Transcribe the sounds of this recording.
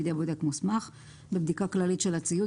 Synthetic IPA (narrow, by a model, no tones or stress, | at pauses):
d̪ebod̪ekmusmaχ | bebd̪ikaklalit̪ʃe̞lat͡siju